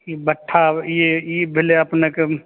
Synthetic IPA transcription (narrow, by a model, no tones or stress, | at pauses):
ibəʈʰːajeebʱɪleɐpneke